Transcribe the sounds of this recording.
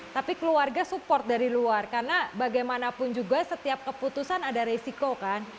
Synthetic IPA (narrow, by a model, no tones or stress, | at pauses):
t̪apikəluarɡasupɔrt̪̚daɾiluarkarnabaɡajmanapʊnd͡ʒuɡasət̪iap̚kəput̪usanadaɾesikokan